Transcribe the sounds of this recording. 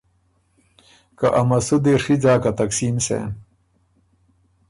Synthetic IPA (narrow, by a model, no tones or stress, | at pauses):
kaʔɐmɐsud̪eʂid͡zaːkat̪ɐksiːmsḛn